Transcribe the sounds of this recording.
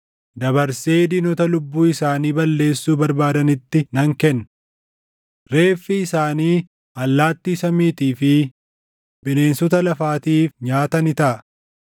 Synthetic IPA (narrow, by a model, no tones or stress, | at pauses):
d̪ɐbɐɾse̞ːd̪iːnɔt̪ɐlʊbːuːɪsaːniːbɐlːe̞ːsːuːbɐɾbaːd̪ɐnɪt̪ːɪnɐŋkɛnː | ɾe̞ːfːiɪsaːniː | ɐlːaːt̪ːiːsɐmiːt̪iːfɪ | bɪne̞ːnsɔt̪ɐlɐfaːt̪iːfɲaːt̪ɐnɪt̪ɐʔɐ